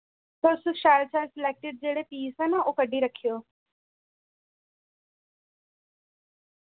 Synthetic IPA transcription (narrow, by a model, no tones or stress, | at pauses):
pəɾsʊʃaːlt͡ʃʰaɪlsɪleːk̚ʈɪɖ̚d͡ʒeːɽepiːsɛnaokəɖʱiɾəkʰijoː